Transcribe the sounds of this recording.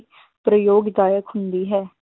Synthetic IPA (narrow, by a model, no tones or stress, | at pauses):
pɾəjoːɡɪd̪aːjəkɦʊnd̪iːɦɛː